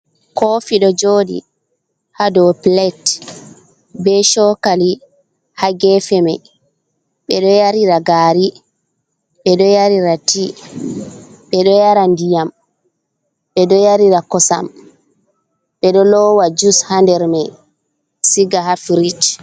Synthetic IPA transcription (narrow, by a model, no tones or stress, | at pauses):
kofiɗɔd͡ʒoːɗḭ | hadɔplɛt | bɛʃɔkali | haɡɛfɛmɛ | ɓɛɗɔjaɾiɾaɡaːɾi | ɓɛɗɔjaɾiɾati | ɓɛɗɔjaɾandijam | ɓɛɗɔjaɾiɾakɔsa̰m | ɓɛɗɔlɔwad͡ʒushandɛɾmɛ | siɡaɦafɾit͡ʃ